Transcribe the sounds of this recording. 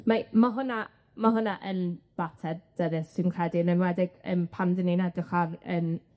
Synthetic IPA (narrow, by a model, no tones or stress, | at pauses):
mamaɦʊna | maɦʊnaʔənb̥atʰɛdd̥əðɪssɪnkʰrɛdinənwɛdɪɡ̥ə̰npʰandəninadɪχarən